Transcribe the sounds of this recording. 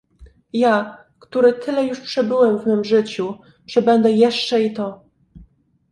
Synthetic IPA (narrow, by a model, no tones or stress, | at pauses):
ja | kt̪uɾɘt̪ʰɘlɛjuʂpʂɛbɘwɛmvmɘmʐɘt͡ɕu | ʐ̥ɛbɛnd̪ɛjɛʂt͡ʂɛit̪ɔ